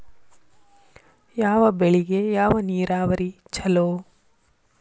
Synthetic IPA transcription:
jaːʋɐbeɭiɡe̞jaːʋɐniːɾaːʋɐɾi | t͡ʃɐloː

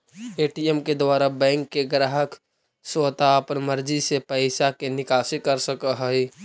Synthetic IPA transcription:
eːʈiemked̪waːɾabɛ̃ːŋkːeɡɾaːɦək | swət̪aəpəɾməɾd͡ʒisepəɪsakenɪkaːsikəɾsəkəɦəi

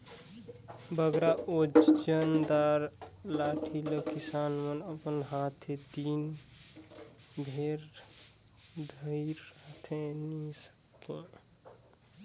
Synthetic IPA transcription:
bəɡɾaod͡ʒənd̪aɾlaʈʰiləkisanmənəpənɦat̪ʰed̪in | bʱeɾ | d̪ʱəiɾːat̪ʰenisə̥kːẽ

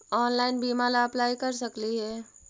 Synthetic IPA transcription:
ɔːnlaːɪnbiːmalaɐplaːikɐɾsɐkliɦɛː

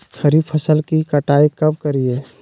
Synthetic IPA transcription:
xɐɾiːbpʰɐsəlkikɐʈaːikɐb̚kɐɾieː

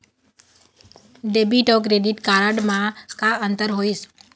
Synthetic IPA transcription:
ɖeːbiʈɔːk̬ɾeːɖiʈkaːɾəɖmãkaənt̪əɾɦoːis

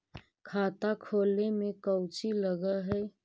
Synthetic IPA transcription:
kʰaːt̪akʰoːlemẽkəwt͡ʃiləɡəɦɛː

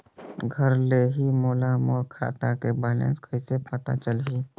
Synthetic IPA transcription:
ɡʱəɾleːɦimoːlamoːɾkʰa̰ːt̪akebɛːlə̰̃nskʰəisepət̪a̰t͡ʃəlɦiː

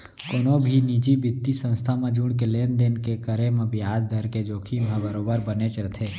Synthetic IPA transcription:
koːnobʱiniːd͡ʒibɪt̪ːisə̃nst̪ʰamẽd͡ʒuːɽ̃k̬eleːnd̪eːnkekəɾemẽbʱɪjaːd͡ʒd̪ʱəɾked͡ʒoːkʰimẽbəɾoːbəɾbənet͡ʃɾət̪ʰeː

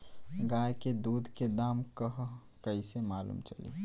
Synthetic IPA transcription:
ɡajked̪uːd̪ʱked̪aːmkəɦ | kəisemaːlṵːmt͡ʃəlḭ

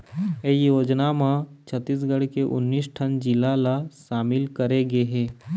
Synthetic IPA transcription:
ejoːd͡ʒnamãt͡ʃʰət̪ːiːs̬ɡəɽkeʔʊ̰nːiːsʈʰənd͡ʒɪlalaʃaːmɪlkəɾeɡeɦeː

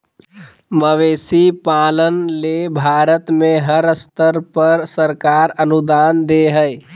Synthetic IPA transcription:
məʋeːsipaːlənlebʱaːɾət̪mẽɦəɾəst̪əɾpəɾsəɾkaːɾənud̪aːnd̪eɦəɪ

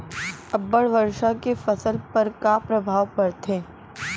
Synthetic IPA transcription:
ɐbːəɽʋɐɾʃakefɐsəlpɐɾkapɾɐbʱaːʋpɐɾt̪ʰẽː

